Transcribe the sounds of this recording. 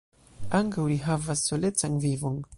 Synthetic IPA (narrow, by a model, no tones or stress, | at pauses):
aŋkawliɦavasːo̞le̞t͡sanvivo̞n